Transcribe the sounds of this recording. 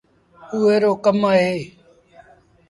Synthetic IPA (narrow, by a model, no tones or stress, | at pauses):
uːeːɾoːkəmaːɦeː